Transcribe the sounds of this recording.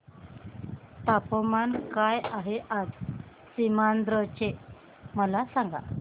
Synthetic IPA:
t̪apɔmankajaɦɛʔad͡z | simand̪ɾɔt͡ɕeʔ | məlasaŋɡa̰

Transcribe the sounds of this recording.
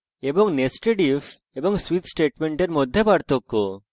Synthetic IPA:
ebɔŋnesʈeɖif | ebɔŋswit̪sʈeʈmeɳʈeɾmɔd̪ʱːjebaɽt̪ɔkːo

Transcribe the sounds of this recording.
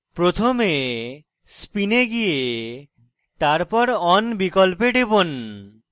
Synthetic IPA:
pɾot̪ʰome | spineɡije | t̪aɾpɔɾɔnbikolpeɖebon

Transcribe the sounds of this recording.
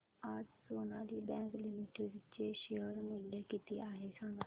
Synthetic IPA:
ad͡ʒsoːnãːd̪iːbɛ̃ːŋklɪmɪʈeʋɪeːʃeəɾmɪlaːkiːt̪iːʔaːɦeːsaːnuː

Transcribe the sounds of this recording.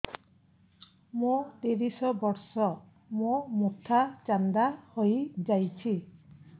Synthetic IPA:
mũt̪iɾisɔbɔɾsɔ | mũmut̪ʰat͡ʃand̪ahojd͡ʒajt͡ʃʰi

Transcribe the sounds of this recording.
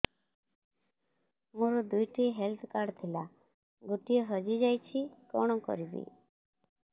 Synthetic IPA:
mũɾɔd̪ujʈiɦelt̪ʰkaɖt̪ʰila | ɡut̪ijɔɦɔd͡ʒid͡ʒajt͡ʃʰikɔɽ̃ɔkɔ̰ɾibḭ

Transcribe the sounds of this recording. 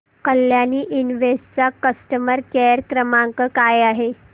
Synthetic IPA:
kəljaniːʔinʋest͡sakəsʈəməɾkeɾkɾəmãŋkəkajaɦe

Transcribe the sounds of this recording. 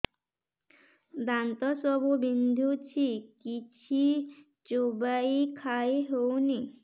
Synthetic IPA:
d̪ant̪ɔsɔbubind̪ʱut͡ʃʰikit͡ʃʰi | t͡ʃobaikʰaeɦowni

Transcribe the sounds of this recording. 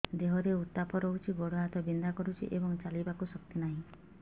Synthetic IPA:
d̪eɦɔɾeut̪ːapɔɾout͡ʃʰiɡoɽɔɦat̪ɔbind̪akɔɾut͡ʃʰḭʔebɔŋt͡ʃalibakusɔk̚t̪inaɦĩ

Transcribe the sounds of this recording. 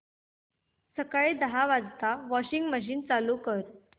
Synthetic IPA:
səkaɭed̪əɦaʋad͡zt̪aʋɔɕiŋɡməɕ̬iːnt͡salukəɾ

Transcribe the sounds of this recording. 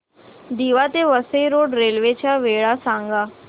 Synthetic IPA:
d̪iːʋat̪eʋəsəiɾoːɖɾeːlʋet͡ɕaʋeɭasãŋɡa

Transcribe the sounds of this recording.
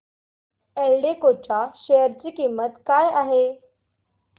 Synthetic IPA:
elɖekot͡ɕaɕejəɾt͡ɕiːkimːət̪kajaɦe

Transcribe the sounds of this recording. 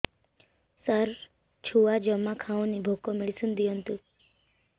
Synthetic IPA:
saɾ | t͡ʃʰuʋad͡ʒəmːakʰaõnibʱokomeɭisũnd̪iɦɔnt̪u

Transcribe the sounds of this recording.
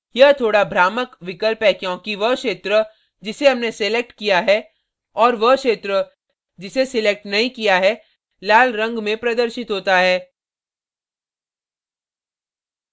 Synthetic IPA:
jɐɦt̪ʰoːɽabʱɾaːməkʋɪkəlpɦɛkjõːkiʋəkʃeːt̪ɾə | d͡ʒɪseɦɐmnesɪlek̚ʈkijaɦɛ | ɔːɾʋəkʃeːt̪ɾə | d͡ʒɪsesɪleːk̚ʈnɐɦĩkijaɦɛ | laːlɾɐ̃ŋɡmẽpɾɐd̪əɾʃɪt̪ɦoːt̪aɦɛː

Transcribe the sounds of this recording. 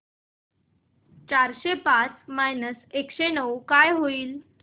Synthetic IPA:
t͡ɕaɾɕepat͡smajnəsekɕenəwkajɦoiːl

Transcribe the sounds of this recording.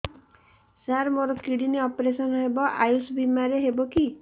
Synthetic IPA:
saɾmoɾɔkiɽiniɔpɔɾesɔnɔɦebɔʔajusbimaɾeɦebɔki

